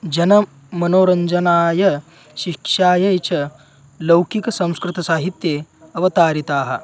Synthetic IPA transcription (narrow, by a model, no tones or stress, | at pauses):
d͡ʒɐnɐ | mɐnoːɾɐɲd͡ʒɐnaːjɐ | ɕikʂaːjɐjt͡ɕɐ | lɐwkikɐsɐ̃w̃skɾit̪ɐsaːɦit̪je | ɐʋɐt̪aːɾit̪aːɦɐ̰